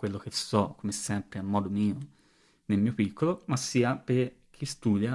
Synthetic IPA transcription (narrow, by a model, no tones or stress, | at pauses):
kwelːok̟esɔkːomesːɛmpɾeamːɔːd̪omiːo | nelmiːopikʰːolomasːiːapeɾ | k̟ʰːist̪ud̪ja